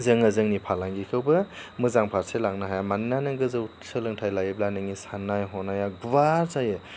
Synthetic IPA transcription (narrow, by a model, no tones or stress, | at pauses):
zɯŋazɯŋnipʰalaŋɡikʰɯwbɯmɯzaŋpʰaɾselaŋnaɦajamanːanɯŋɡɯzɯw | sɯlɯŋtʰajlajiblanɯŋisanːajɦɔnajaɡwaɾzajɯ